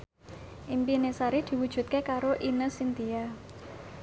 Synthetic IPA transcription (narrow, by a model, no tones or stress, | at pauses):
ʔimpinesaɾid̪̥i̤wud̥ʒ̥ṳt̪̚kekaɾoʔinəsint̪ija